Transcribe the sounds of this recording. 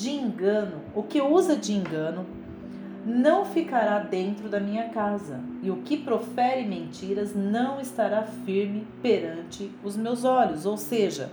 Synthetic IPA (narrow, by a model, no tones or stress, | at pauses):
d͡ʒɪẽŋɡɐ̃nʊʊkɪuzɐd͡ʒɪẽŋɡɐ̃nʊ | nɐ̃w̃fikaɾad̪ẽnt̪ɾʊd̪ɐmĩɲɐkazɐ̰ɪʊkɪpɾofɛɾɪmẽnt͡ʃiɾɐznɐ̃w̃ɪst̪aɾafiɾmɪpeɾɐ̃nt͡ʃɪʊzmewzɔʎʊzowseʒɐ̰